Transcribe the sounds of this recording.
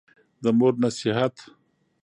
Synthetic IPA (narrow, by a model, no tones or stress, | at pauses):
d̪əmoɾnasiɦat̪